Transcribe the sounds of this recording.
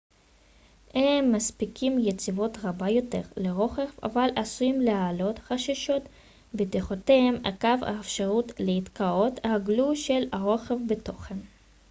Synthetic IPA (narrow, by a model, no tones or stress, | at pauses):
hemːaspikimjet͡sivo̞t̪ʁabajo̞t̪e̞̰ʁleʁo̞χefa̰valasujimlehalo̞t̪χaʃaʃo̞t̪ | bet̪eχotehema̰kava̰efʃaʁut̪leit̪kao̞t̪haɡluʃelaʁo̞χefbet̪o̞χen